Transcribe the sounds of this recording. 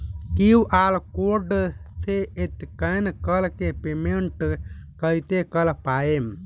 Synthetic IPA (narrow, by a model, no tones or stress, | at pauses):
kiuʔalkoɖsʰeet̪kəjnkəlkepemeɳʈkəjt̪ekəlpaem